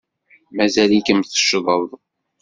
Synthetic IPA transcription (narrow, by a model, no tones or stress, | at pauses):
mæzælikəmθə̥ʃðˤəðˤ